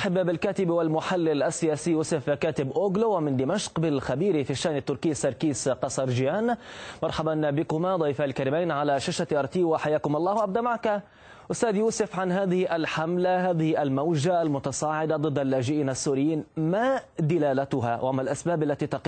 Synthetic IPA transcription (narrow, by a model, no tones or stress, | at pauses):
ʔħabːbɪlkaːt̪ɪbwalmʊħalːɪlʔasːɪjaːsijuːsʊfkaːt̪ɪbʔoːɡlowmɪnd̪ɪmaʃqbɪlxabiːɾifiʃːaːʔnɪt̪ːʊɾkiːsɑɾˤkiːsqɑsˤɑɾˤd͡ʒɪjaːnmɑɾˤħabɑnbɪkʊmad̪ˤɑjfalkaɾiːmajnʕalaʃaʃat̪ʔɑɾˤt̪iːwaħajaːkʊmʔɑlˤːɑːhwaʔab̚d̪aʔmaʕka | ʔʊst̪aːd̪juːsʊfʕanɦaːðɪhɪʔalħamlaɦaːðɪhɪʔalmawʒaʔalmʊt̪ɑsˤɑːʕɪd̪ad̪ˤɨd̪ːalːaːʒɪʔiːnʔasːuːɾɪjːiːnmad̪ɪlaːlat̪ʊɦawʔaʔamːalʔasbaːbalːat̪iːt̪ɑq